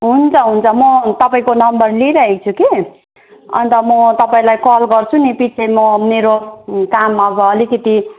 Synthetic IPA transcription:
ɦunt͡sʰʌɦunt͡sʰʌmʌt̪ʌpaĩkonʌmbʌrliɾʌɦekt͡sʰuke | ʌ̰nt̪ʌmʌt̪ʌpaĩlajkʌlɡʌrt͡sʰunipit͡sʰemʌmeɾokamːaʌbʌːlikʌt̪i

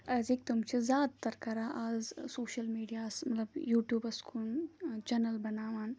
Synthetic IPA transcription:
ɐzik̚t̪umt͡ʃʰizʲjaːd̪t̪ɐɾkɐɾaːʔaːzsoːʃɐlmiːɖijaːsmɐt̪lɐbjuːʈjuːbɐskʰunt͡ʃɐnɐlbɐnaːʋaːn

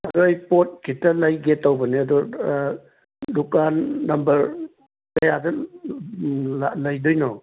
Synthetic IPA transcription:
ɐdɔajpot̚kʰitːɐlajɡetːawbɐniɐdɔ | dukanːɐmbɐɾ | kɐjadɐ | alajdujnɔ

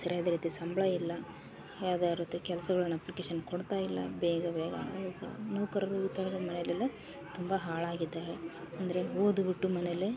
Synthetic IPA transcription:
sɐɾjaːd̪ɐɾiːt̪isɐmbɭɐjilːɐ | jaːwd̪aːɾot̪ːukɛlɐsɐɡɐɭɐnːɐplikeːʃɐnkoɽt̪aːjilːɐ̰bɛːɡɐbɛːɡɐ̰iːɡɐ̰nɐːkɐɾɐɾuit̪ːaːɾɐɾɐmɐnelele | t̪umbɐɦaːɭaːɡid̪ːaːɾe̞ | ɐnd̪ɐɾe̞oːd̪ubiʈːumɐnele

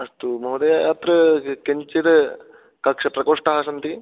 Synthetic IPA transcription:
ɐst̪umɐɦud̪ɐjajaːt̪ɾɐkeɲt͡ʃiɾɐ | kɐkʂɐpɾɐkoːʂʈaːɦɐsɐnt̪i

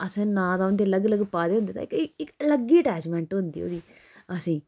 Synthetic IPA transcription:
əsẽːnãːd̪aːʊnd̪eːləɡləɡpaːd̪eːɦʊnd̪eːt̪a̰ɪkɪkləɡiːəʈɛːd͡ʒmɛ̃ːɳʈɦʊ̃nd̪ḭːo̰ːd̪iː | əsĩː

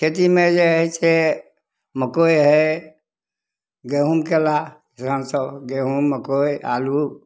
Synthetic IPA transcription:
kʰet̪̬imẽd͡ʒeɦit͡ʃʰe | məkojɦɛ | ɡeɦumkela | isansɔɡeɦumːəkoja̰lu

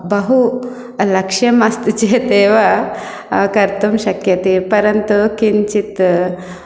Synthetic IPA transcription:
bɐɦu | lɐkʃjɐmɐst̪t͡ʃet̪eːʋɐ | kɐɾt̪umʃɐkjɐt̪ipɐɾɐnt̪ukint͡ʃit̪

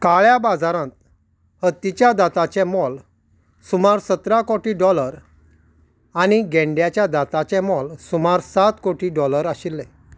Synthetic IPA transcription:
kaɭjabad͡zaɾãnt̪̚ | hət̪ːit͡ɕjad̪at̪at͡ɕɛ̃mɔl | sumaɾsət̪ɾakɔʈiɖɔləɾ | añiɡɛ̃ɳɖjat͡ɕjad̪at̪at͡ɕɛ̃mɔlsumaɾsat̪koʈiɖɔləɾaɕilːɛ

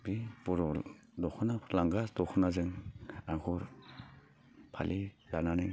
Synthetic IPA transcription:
bipɔɾɔ | dɔxʰɔnalaŋɡasdɔkʰɔnazɯŋaŋkʰɔɾ | pʰa̰lʔi | lananɯ

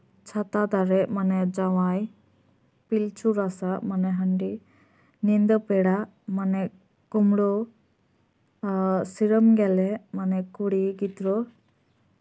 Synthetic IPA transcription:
t͡ʃʰat̪ad̪aɾɛmanɛd͡ʒawaj | pilt͡ʃuɾasamanɛɦəɳɖi | nind̪ɔpɛɽa | manɛ | kɔmɽɔ | siɾəmɡɛlɛmanɛkuɽiɡit̪ɾɔ

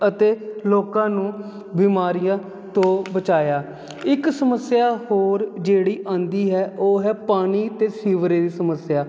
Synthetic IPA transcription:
ət̪eːloːkãːnũː | biːmaːɾɪjãː | t̪õːbət͡ʃaːjaː | ɪksəməsɪjaːhoːɾd͡ʒeːɽiːʔãːnd̪iːɦɛːʔoːɦɛːpaːɽ̃iːt̪eːsiːʋɾeːɾiːsəməsjaː

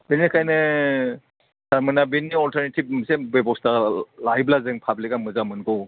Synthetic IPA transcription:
benikʰajnɯ | saɾmɯnabenːiɔltʰaɾnitʰip̚sebebɔstalajblazɯŋpʰablikamɯzamɯnkʰɯw

